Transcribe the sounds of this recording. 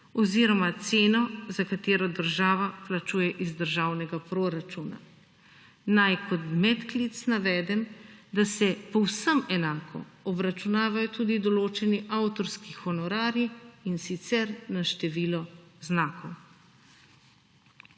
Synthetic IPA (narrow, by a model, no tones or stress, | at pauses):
ɔziːɾɔmat̪seːnɔzakat̪eːɾɔd̪əɾʒaːʋaplat͡ʃuːjɛʔizd̪əɾʒaːwnɛɡapɾoɾat͡ʃuːna̰ | najkɔt̪mɛt̪klit̪snaʋɛːd̪ɛmd̪asɛpɔwsəmɛnaːkʰɔ̰ɔbɾat͡ʃunaːʋajɔt̪uːd̪id̪ɔloːt͡ʃɛniʔawt̪ɔɾskixɔnɔɾaːɾiinsit̪sɛɾnaʃt̪ɛʋiːlɔznaːkɔw